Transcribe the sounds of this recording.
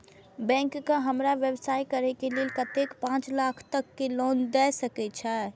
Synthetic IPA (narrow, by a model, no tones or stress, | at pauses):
bɛ̃ŋkːəɦəmɾaʋjəbsajkəɾɛkelelkət̪ekpãt͡ʃlakʰt̪əkːelond̪ɛsəkɛt͡ʃʰɛ